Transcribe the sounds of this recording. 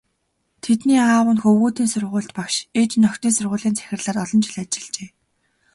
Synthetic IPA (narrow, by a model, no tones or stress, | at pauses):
t̪ʰet̪niːaːwə̆nxɵwuːt̪iːnsʊrʁʊ̟ːɬt̪pakʃet͡ɕnɔkt̪iːnsʊrʁʊ̟ːɮiːnt͡sʰæ̥xʲɪ̆rɮaːrɔɮɞ̆nt͡ɕɪ̆ɮat͡ɕɪ̥̆ɮt͡ɕeː